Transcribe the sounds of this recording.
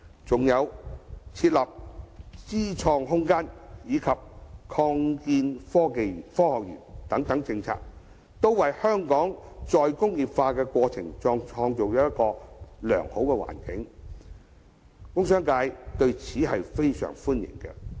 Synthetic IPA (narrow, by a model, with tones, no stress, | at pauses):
t͡sʊ˨ŋjɐ˨˧wt͡sʰiː˧t̚lɐ˨p̚t͡siː˥t͡ʃʰɔː˧ŋɦʊ˥ŋkaː˥njiː˨˧kʰɐ˨p̚kʰɔː˧ŋkiː˧nfɔː˥ke˨jfɔː˥hɔː˨k̚jy̰ː˨˩nt̪ɐ˨˥ŋt̪ɐ˨˥ŋt͡sɪ˧ŋt͡sʰa̰ː˧k̚ | t̪o˥wwɐ˨jhœː˥ŋkɔː˨˥ŋt͡sɔː˨jkʊ˥ŋjiː˨˩p̚faː˧kɛː˧kʷɔː˧t͡sʰɪ˨˩ŋt͡ʃɔː˧ŋt͡ʃʰɔː˧ŋt͡so˨wjɐ˦˥jt̚kɔː˧lœ̰ː˨˩ŋho˨˥wkɛ˧wa̰ː˨˩nkɪ˨˥ŋ | kʊ˥ŋsœː˥ŋkaː˧jt̪ɵ˧ɥt͡sʰiː˨˥ɦɐ˨jfe˥jsœ̰ː˨˩ŋfuː˥njɪ̰˨˩ŋkɛ˧